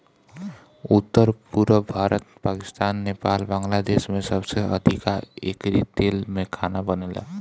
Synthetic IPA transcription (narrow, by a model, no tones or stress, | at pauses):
ut̪ːəɾpuɾəbʱaɾət̪̚pakist̪anːepalbaŋlad̪esmesʌbseʔʌ̰d̪ʱikaḛkɾit̪elmekʰanabʌnela̰